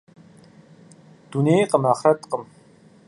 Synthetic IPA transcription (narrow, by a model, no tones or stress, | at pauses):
t̪uneːqəmaχɾat̪qəm